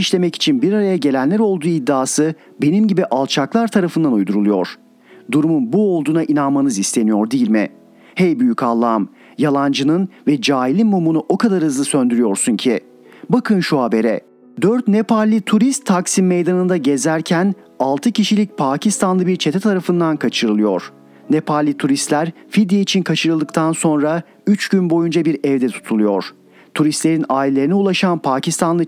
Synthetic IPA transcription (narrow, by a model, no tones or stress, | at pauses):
iʃlʲe̞mɛci̥t͡ʃʰinbiɾaɾajaɟe̞lʲænlʲæɾo̞lˠd̪uːid̪ːaːsɯ | be̞nimɟibiʔalˠt͡ʃʰaklˠaɾt̪ʰaɾafɯnd̪anujd̪uɾulˠujo̞̰ɾ̥ | d̪uɾumunbuo̞lˠd̪uːnaʔinanmanɯzist̪ʰe̞nijo̞ɾd̪ijilʲmɪ̰ | hejbyjycʰalˠːaːm | jalˠand͡ʒɯnɯnvɛd͡ʒaːilʲinmumunuʔo̞kad̪aɾhɯzlˠɯsønd̪yɾyjo̞ɾsuncʰi | bakʰɯnʃuɦabe̞ɾɛ̰ | d̪øɾt̪nepʰaɾlʲit̪ʰuɾist̪ʰːaksimejd̪anɯnd̪aɟe̞zæɾcʰæn | alˠt̪ʰɯcʰiʃilʲic̚pʰaːcʰist̪ʰanlˠɯbiɾt͡ʃʰe̞t̪ʰɛt̪ʰaɾafɯnd̪ankʰat͡ʃʰɯɾɯlˠɯjo̞̰ɾ̥ | nepʰaɾlʲit̪ʰuɾist̪lʲæɾfid̪jeit͡ʃʰinkʰat͡ʃʰɯɾɯlˠd̪ɯkt̪ʰanso̞nɾa | yt͡ʃɟynbo̞jund͡ʒabiɾɛvd̪ɛt̪ʰu̥t̪ʰulˠujo̞̰ɾ̥ | t̪ʰuɾist̪lʲe̞ɾinaːilʲlʲe̞ɾiniulˠaʃanpʰaːcʰist̪ʰanlˠɯ